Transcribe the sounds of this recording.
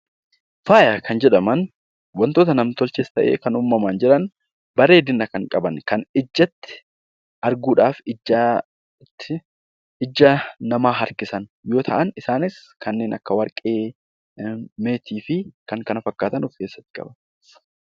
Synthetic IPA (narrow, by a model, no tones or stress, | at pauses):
faːjaːkʰɐnd͡ʒɛᶑɐmɐn | wɐnt̪o̞ːt̪ɐnɐmt̪ɔlt͡ʃest̪ɐʔeːkɐnuːmːɐmaːnd͡ʒɛᶑɐn | bɐɾe̞ːd̪ɪnːɐkɐŋkʼɐbɐnkɐnɪd͡ʒːɐt̪ːɪ̥ | ʔɐɾɡuːᶑaːfɪ | t̪ːɪ | ɪd͡ʒːɐnɐmaːɦɐɾkɪsɐnjo̞ːt̪ʰɐʔɐnɪsaːnɪskɐnːe̞ːnʔɐkːɐwɐɾkʼeː | meːt̪ʰiːfɪkɐŋkɐnɐfɐkːaːt̪ɐnʊfke̞ːsːɐt̪ːɪ̥kʼɐ̰bɐn